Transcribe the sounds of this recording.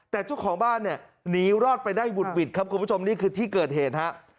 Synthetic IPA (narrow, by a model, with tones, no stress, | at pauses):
t̪ɛː˨˩t͡ɕu˥˩əkʰɔː˩˦ŋbaː˥˩nːi˥˩ɐ | niː˦˥ɾɔː˥˩t̪̚pa˧jdaː˥˩jwu˨˩t̪̚wi˨˩t̪̚kʰa˦˥p̚kʰu˧npʰu˥˩o˧mniː˥˩kʰɯː˧t̪ʰiː˥˩kɤː˨˩t̪̚ɦeː˨˩t̪̚ha˦˥ʔ